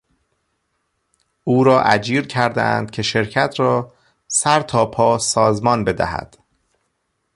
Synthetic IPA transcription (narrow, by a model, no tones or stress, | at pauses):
ʔuːɾɒːʔæ̰d͡ʒiːɾcʰæɾd̪æ̰æ̰nd̪̥cʰe̞ʃe̞ɾcʰæt̪ʰɾɒː | sæɾt̪ʰɒːpʰɒːsɒːzmɒːnbe̞d̪æ̰hæ̰d̪̥